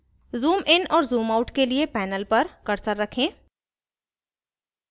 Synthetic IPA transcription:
zuːmʔɪnɔːɾzuːmaːʊʈkeliepɛːnəlpɐɾkɐɾsəɾːɐkʰẽː

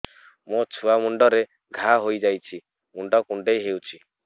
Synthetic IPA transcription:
mõt͡ʃʰuamuɳɖɔɾe | ɡʱaɦojd͡ʒajt͡ʃʰi | muɳɖɔkuɳɖejɦewt͡ʃʰi

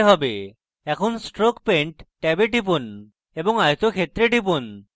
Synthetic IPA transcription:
ɦɔbe | ɛkʰonsʈɾokpeɳʈːɛbeʈip̬un | ebɔŋajt̪okʰet̪ːɾeʈip̬un

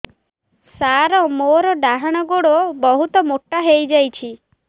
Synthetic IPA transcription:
saɾɔmoɾɔɖaɦaɽ̃ɔɡoɽobɔɦut̪ɔmoʈːaɦejd͡ʒajt͡ʃʰi

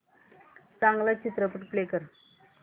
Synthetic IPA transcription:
t͡sãŋɡlat͡ɕit̪ɾəpəʈplekəɾ

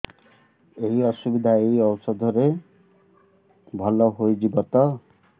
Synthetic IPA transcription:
eɦiɔsubid̪ʱaeɦiɔwsɔd̪ʱɔɾe | bʱɔlɔɦojd͡ʒibɔt̪ɔ

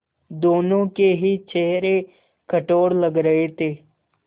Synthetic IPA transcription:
d̪oːnõːkeɦiːt͡ʃʰeːɾeː | kʰəʈoːɽləɡɾəeːt̪eː

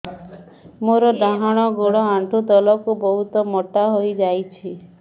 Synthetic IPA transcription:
moɾɔɖaɦaɽ̃ɔɡoɽɔant̪ud̪ɔlɔkubɔɦut̪ɔmɔʈaɦojd͡ʒajt͡ʃʰi

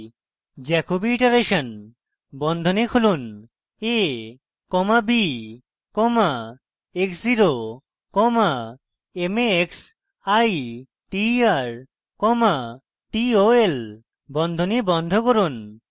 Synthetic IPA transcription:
d͡ʑɛkobiiʈaɾeʃan | bɔnd̪ʱonikʰulun | e | kɔmabi | kɔma | eksd͡ʑiɾo | kɔma | emeeks | aj | ʈiaɾ | kɔma | ʈioel | bɔnd̪ʱonibɔnd̪ʱokoɾun

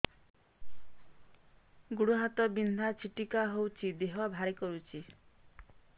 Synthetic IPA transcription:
ɡuɽuɦat̪ɔbind̪ʱat͡ʃʰiʈikaɦowt͡ʃʰid̪eɦɔbʱaɾikɔɾut͡ʃʰi

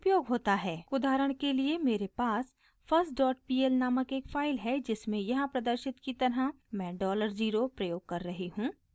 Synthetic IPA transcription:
ʊpjoːɡɦoːt̪aɦɛːʊd̪aːɾəɽ̃keliemeːɾepaːs | pʰɐɾsʈɖɔːʈ̚piːɛlnaːməkeːkfʰaːɪlɦɛd͡ʒɪsmẽjɐɦãpɾɐd̪əɾʃɪt̪kit̪ɐɾɦa | mɛ̃ːɖɔːləɾziːɾopɾɐjoːɡ̚kɐɾːɐɦiɦũː

